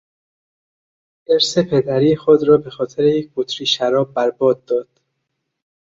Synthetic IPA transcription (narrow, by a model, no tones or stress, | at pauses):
eɾsepʰe̞d̪æɾiːxod̪ɾɒːbe̞xɒːt̪ʰeɾejec̚b̥ot̪ʰɾiːʃæɾɒːbːæɾbɒːd̪̚ːɒːd̪̥